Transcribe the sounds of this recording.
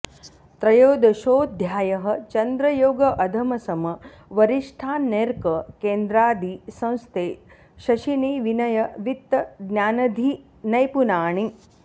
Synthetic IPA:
t̪ɾɐjoːd̪ɐʃoːd̪ʱjaːjɐɦɐ̆t͡ʃɐnd̪ɾɐjoːɡɐʔɐd̪ʱɐmɐsɐmɐ | ʋɐɾiʂʈʰaːnːeːɾkɐkeːnd̪ɾaːd̪isɐ̃w̃st̪eː | ʃɐʃineːʋinɐjɐʋit̪ːɐɡnjaːnɐd̪ʱi | nɐjpunaːɳi

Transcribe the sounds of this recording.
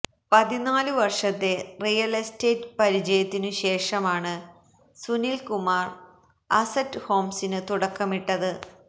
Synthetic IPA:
pɐðinaːlɨʋɐrʂɐt̪ːe̞rijɐleste̞ːtɨpɐɾid͡ʑɐjɐt̪ːinɨɕe̞ːʂɐmaːɳɨ | sunilkumaːr | ɐsɐtːɨho̞ːmsinɨt̪uɽɐkːɐmiʈːɐðɨ

